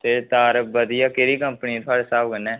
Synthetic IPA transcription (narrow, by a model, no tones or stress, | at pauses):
t̪eːt̪aːɾəbəd̪ijaːkeɾiːkəmpənĩt̪ʰʊaːɖeːsaːbkənːɛ̃ː